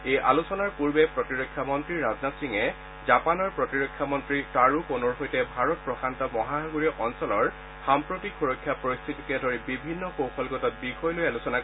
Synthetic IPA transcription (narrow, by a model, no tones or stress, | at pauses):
ejʔalusɔnaɹpuɹbɛpɹɔtiɹokʰːjamɔntɹiɹaznatsiŋɛ | zapanɔɹpɹɔtiɹokʰːjamɔntɹitaɹuponɔɹɦojtɛbʱaɹɔt̚pɹɔxantɔmɔɦaɦaɡuɹiʔɔnsɔlɔɹ | xampɹotikxuɹokʰːjapɹojst̪ʰitikɛdɔɹibibʱinːɔxowxʰɔlɡɔtɔt̚bixɔjlojalusɔna